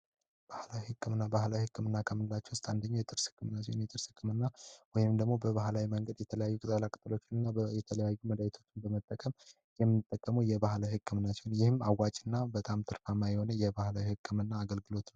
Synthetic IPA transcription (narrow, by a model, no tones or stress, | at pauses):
b̥ahlawihɨkːɨmɨnːabahlawihɨkʰʼːɨmɨnːakʰəmɨnɨlat͡ʃːɛwʊst̪ʰand̪əɲːajɛt̪ʼɨɾsɨ̥kʼːɨmɨnːat͡ʃːɛ̰njɛt̪ʼɨɾsɨkːɨmɨnːawɔjɪmd̪əɡmo̞bəβahlawiməŋɡəd̪jɛt̪ʰələjajːukʼɨt̪ʼəlakʼɨt̪ʼlo̞t͡ʃːɪnɨnːajɛt̪ʰələjajːuməd̪ajit̪ʰo̞t͡ʃːɪnbəmət̪ʼːəkʼəm | jɛmːɨnːɨt̪ʼːəkʼːəmujɛbahlawihɨkʰʼːɨmɨnːat͡ʃːɛwnjɪhɨmawːat͡ʃʼɨnːabət̪ʼamt̪ʰɨɾfamːajɛho̞nəjɛbahlawihɨkʰʼːɨmɨnːaːɡəlɡɨlo̞t̪nəw